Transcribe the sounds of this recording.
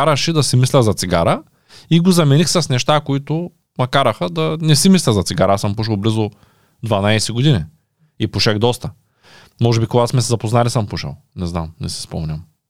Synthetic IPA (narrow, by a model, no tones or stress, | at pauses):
aɾɐʃid̪ɐsimislʲɛzɐt̪siɡaɾə | iɡozɐmɛnixsɐsnɛʃt̪akoit̪ʊ | mɐkaɾɐxəd̪ɐnɛsimislʲɛzɐt̪siɡaɾɐasəmpuʃ̬ɛlˠblizʊ | d̪vɐnajsɛɡod̪ini | ipuʃɛxd̪ɔst̪ə | mɔʒɛbikoɡasmɛsɛzɐpoznalisəmpuʃɛ̰lˠnɛzna̰mnɛ̰si̥spɔ̰mnʲɐm